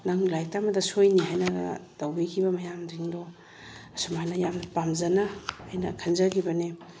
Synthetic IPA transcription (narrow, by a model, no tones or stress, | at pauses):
naŋlajk̚tamɐdɐsojniɦajnɐɡ̰tawbikʰibɐmɐjamdiŋdɔ | ɐsumhajnɐjampamzɐnahːjnɐ̰kʰanzaɡibɐne